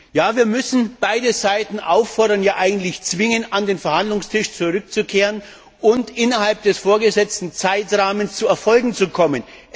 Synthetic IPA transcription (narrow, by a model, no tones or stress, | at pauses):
jaːviːɐmʏsn̩b̥aɪdəzaɪtn̩ʔaʊfːɔɐɾɐnjaːʔaɪɡŋ̩tlɪçt͡sv̥ɪŋənandeːnfɛɐhandlʊŋstʰɪʃt͡suʁʏkt͡sukʰeːʁən | ʔʊntʔɪnɐɦalp̚d̥ɛsfoːɐɡəzɛt͡stn̩t͡saɪtʁaːmənst͡suːɛɐfɔlɡŋ̩t͡sukʰɔmən